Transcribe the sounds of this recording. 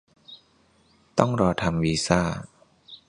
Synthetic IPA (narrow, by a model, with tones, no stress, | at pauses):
t̪ɔ˥˩ŋɾɔː˧t̪ʰa˧mwiː˧saː˥˩